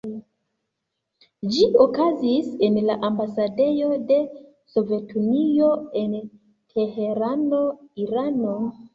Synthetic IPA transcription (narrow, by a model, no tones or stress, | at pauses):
d͡ʒiokazise̞nlaʔambasade̞jo̞de̞ | so̞ve̞tʰunio̞e̞n | tʰehe̞ɾano̞iɾano̞